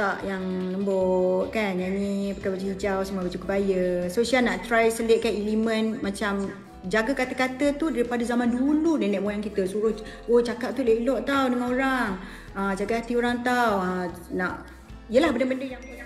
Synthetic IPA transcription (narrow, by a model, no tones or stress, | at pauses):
aʔjaŋləmbɔʔkanjanĩbəkabat͡ʃuid͡ʒawsəmuabat͡ʃukəbajəsosialnaʔt̪ɾajsəleʔkanilimə̃nmãt͡ʃam | d͡ʒaɡakat̪əkat̪ət̪udaɾipadazamãnduludanɛʔmojaŋkit̪əsuɾʊhot͡ʃakaʔ̚t̪uleilɔʔt̪awdəŋãnoɾaŋ | əd͡ʒaɡaɦat̪ioɾaŋt̪awanaʔ | ijəlahbənabəndəjaŋ